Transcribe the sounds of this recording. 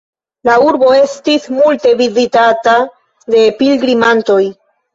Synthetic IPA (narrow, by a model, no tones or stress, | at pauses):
lauɾbo̞e̞stismulte̞vizitata | de̞pilɡɾimanto̞j